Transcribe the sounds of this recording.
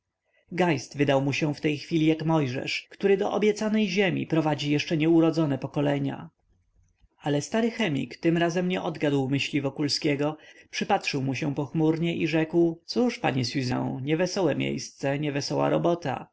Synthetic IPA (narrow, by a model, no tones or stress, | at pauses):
ɡajst̪vɘd̪awmuɕɛft̪ɛjxfʲilʲijakmɔjʐɛ̰ʂkt̪uɾɘd̪ɔʔɔbʲjɛt̪sanɛjʑemʲḭpɾɔvad͡ʑijɛʂt͡ʂɛɲɛuɾɔd̪zɔnɛpɔkɔlɛɲa̰ | alɛst̪aɾɘxɛmʲḭkt̪ɘmɾazɛmɲɛʔɔd̪ɡad̪wmɘɕlʲivɔkulskʲɛɡɔpʂɘpat̪ʂɘwmuɕɛ̃pɔxmuɾɲɛʔiʐɛkwt̪suʂpa̰ɲɛsɥizɛ̰̃w̃ɲɛvɛsɔwɛmʲjḛjst̪sɛɲɛvɛsɔwa̰ɾɔ̰bɔt̪a̰